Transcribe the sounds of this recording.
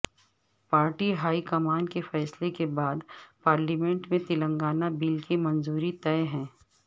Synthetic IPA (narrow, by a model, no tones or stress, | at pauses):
paːɾʈiɦaːikɐmaːnkefɛːslekebaːd̪paːɾlimɛ̃ɳʈmẽt̪ɪlə̃ŋɡaːnabiːlkemɐ̃nzuːɾit̪ɛeɦɛ̃ː